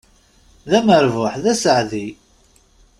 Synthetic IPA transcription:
ðæməɾvʊħðæsəʕði

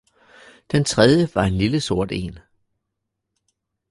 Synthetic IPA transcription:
d̥ent͡sʰʁɛðˠjəʋɑ̈e̝nliləso̝ɐ̰d̥e̝̰ːn

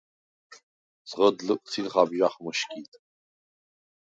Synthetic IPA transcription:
z̥ʁəd̪lɨkʷʼt͡sʰilχabʒaχmɨʃkʰʲʼit̪ʼ

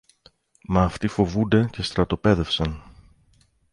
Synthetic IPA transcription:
mɐːft̪ifo̞vund̪e̞ce̞st̪ɾɐt̪o̞pe̞ðe̞fsɐn

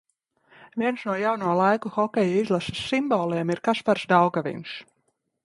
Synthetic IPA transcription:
vʲiɛnsnuɔjawnuɔlˠajkuxɔkʲɛjaizlˠasḁsːimbɔːlˠɛːɛmiɾkaspaɾsd̪awɡavḭns

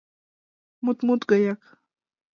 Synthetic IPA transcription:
mʊt̪mʊt̪ɢɑjɑk

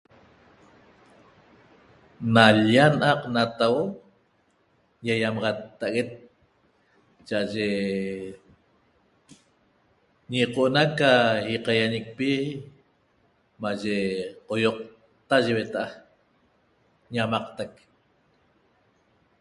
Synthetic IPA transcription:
naʎanʔɑqnat̪awo | jajamɑʁɑt̪ːaaɣet̪̚ | t͡ʃaʔaʒe | ɲiqoʔonakaiqɑjaɲek̚pi | maʒeqojoq̚ | t̪aʒewet̪aʔa | ɲamɑqt̪ak̚

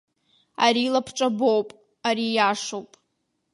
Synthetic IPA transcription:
a̰ɾiːlapʰʈ͡ʂʼabo̞wpʼ | aɾijaʂowpʼ

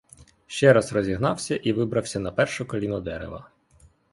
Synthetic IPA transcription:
ʃt͡ʃɛɾɑzrɔzʲiɦnɑwsʲɐʔiʋɪbɾɐwsʲɐnɐpɛrʃʊkɔlʲinʊd̪ɛɾḛʋɐ̰

